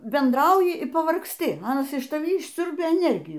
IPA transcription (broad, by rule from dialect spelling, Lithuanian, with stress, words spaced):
bʲɛndˈrɐʊjɪ iː pɐʋɐrksʲˈtʲɪ ˈnʊ ɐˈnɐs ɪʃ tɐˈʋʲiː ɪʃʲˈsʲʊrʲbʲɛ ɛˈnʲɛrʲɡʲɪjuː